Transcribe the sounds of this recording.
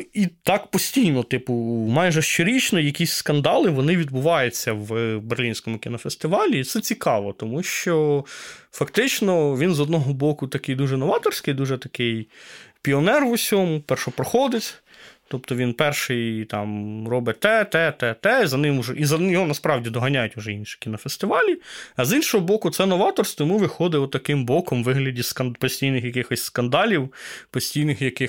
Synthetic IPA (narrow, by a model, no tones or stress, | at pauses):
it̪ɑkpɔsʲtʲijnɔt̪ɪpʊmɑjʒɛʃt͡ʃɔɾʲit͡ʃnɔjɐkʲisʲskɐnd̪ɑlˠɪʋɔnɪʋʲid̪̚bʊʋɑjʊt͡sʲːɐwberlʲinʲsʲkɔmʊkʲinɔfest̪ɪʋɑlʲiːt̪sɛt͡sʲikɑʋɔt̪ɔmuʃt͡ʃɔ | fɐkt̪ɪt͡ʃnɔʋʲinzɔd̪nɔɦɔbɔkʊt̪ɐkɪjd̪uʒɛnɔʋɑt̪ɔrsʲkɪjd̪uʒɛt̪ɐkɪjpʲiɔnɛrʋʊsʲɔmʊpɛrʃɔpɾɔxɔd̪ɪtʲ | t̪ɔp̚t̪ɔʋʲinpɛrʃɪjt̪ɑ̰mrɔbɪt̪ɛt̪ɛt̪ɛt̪ɛizɐnɪmʊʒɛizɐjɔɦɔnɐspɾɑwdʲid̪ɔɦɐnʲajʊtʲʊʒɛinʃɪ̥kʲinɔfest̪ɪʋɑlʲiɐzinʃɔɦɔbɔkʊt̪sɛnɔʋɑt̪ɔrst̪ɔjmuʋɪxɔd̪ɪɔt̪ːɐkɪmbɔkɔmʋɪɦlʲɐdʲiskɐnpɔsʲtʲijnɪxjɐkɪxɔsʲskɐnd̪ɑlʲiwpɔsʲtʲijnɪxjɐkɪx